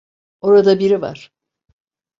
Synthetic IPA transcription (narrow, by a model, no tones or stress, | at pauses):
o̞ɾad̪abiɾiva̰ɾ̥